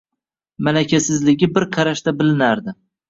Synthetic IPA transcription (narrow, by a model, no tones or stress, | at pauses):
malakʲʰasɪzlɪɡʲɪbɪɾqʰɑɾaʃt̪abɪlɪnaɾd̪ɪ